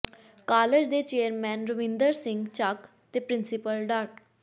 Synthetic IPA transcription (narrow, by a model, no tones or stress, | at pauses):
kaːled͡ʒd̪eːt͡ʃeːəɾmɛ̃ːnɾʊʋɪ̃nd̪əɾsɪ̃ŋɡt͡ʃak | t̪eːpɾɪnsɪpəlɖaːɾʈ